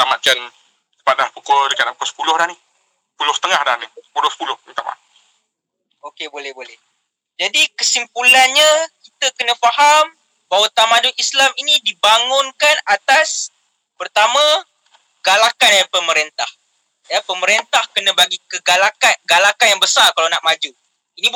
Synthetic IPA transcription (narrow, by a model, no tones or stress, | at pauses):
t̪amaʔ̪̚t͡ʃan | sə̥paʔ̚dahpukɔdəkaapukɔsə̥pulʊhdahni | sə̥pulʊhsət̪əŋahda̰hnisə̥pulʊhsə̥pulʊhit̪ama̰ʔ | okebolɛhbolɛh | d͡ʒadikəsimpulanɲakit̪əkənə̃faham | bawat̪amadʊnislaminĩdibaŋʊnkanat̪as | pərt̪amã | ɡ̥alakanapəməɾent̪ah | japəməɾent̪ahkənə̃baɡikəɡalakaɡalakanjaŋbəsarkalanaʔmad͡ʒu | inĩ